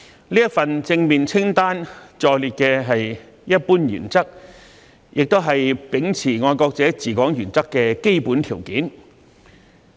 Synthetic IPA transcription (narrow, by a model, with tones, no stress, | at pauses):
liː˥jɐ˥fɐ˨nt͡sɪ˧ŋmiː˨nt͡sʰɪ˥ŋt̪aː˥nt͡ʃɔː˨˧jliː˨t̚kɛː˧ɦɐ˨j | jɐ˥t̚puː˥njy̰ː˨˩nt͡sɐ˥k̚ | jʔɪ˨k̚t̪o˥wɦɐ˨jpɪ˨˥ŋt͡sʰiː˨˩ŋɔː˧jkɔː˧k̚t͡sɛː˨˥t͡siː˨˩kɔː˨˥ŋjyː˨˩nt͡sɐ˥kːɛː˧ke˥jpuː˨˥nt̪ʰiː˨˩wkiː˨˥n